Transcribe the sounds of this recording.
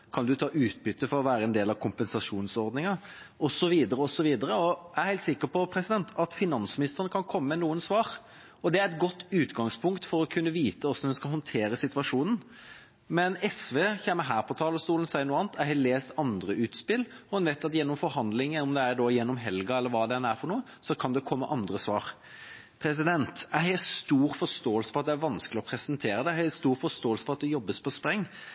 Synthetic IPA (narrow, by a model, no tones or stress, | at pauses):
kʰɑnd̪ʉt̪ʰɑːʔʉːt̪̚bʏt̪ːəfɔɾɔʋæːɾəɛnd̪eːlɑʋkʰʊmpɛnsɑʂuːnsɔɾd̪nɪŋɑ | ɔsɔʋiːd̪əɾəɔsɔʋiːd̪əɾəɔæɾheɪlt̪sɪkːəpɔpʰɾɛsɪd̪ɛnt̪ʰɑt̪fɪnɑnsmɪnɪst̪əɾənəkʰɑnkʰɔmːəmɛnuːənsʋɑːɾ | ɔd̪ɛæɾɛt̪ɡɔt̪ːʉːt̪ɡɑŋspʰʊŋkt̪fɔɾɔkʰʉnːəʋiːt̪əɔsɔnd̪ɛnskɑlhɔnt̪ʰeːɾəsɪt̪ʉʋɑʂuːnn̩ | mɛnɛsʋeːçɛmːəɦæːɾpʰɔt̪ʰɑːləst̪uːlən̩sæɪnuːɑːn̩t̪ʰæɪhɛleːst̪ɑnd̪ɾəʔʉːt̪spɪlːɔhʉnʋæɪt̪ɑt̪jɛnːɔmfɔɾhɑnd̪lɪŋəʊmd̪ɛæɖɔːjɛnːɔmɦɛlɡɑɛlːəɾʋɑːd̪ɛnæɾfɔɾnuːə | sɔkʰɑnd̪ɛkʰɔmːəʔɑnd̪ɾəsʋɑːɾ | pʰɾɛs̬ɪd̪ɛnt̪æhɛst̪uːɾfɔst̪oːəlsəfɔɾɑt̪̚d̪ɛæɾʋɑnskəlɪɔpʰɾɛsənt̪ʰeːɾəd̪ɛhɛst̪uːɾfɔst̪oːəlsəfɔʁɑt̪̚d̪ɛjɔbːəspʰɔspɾɛŋː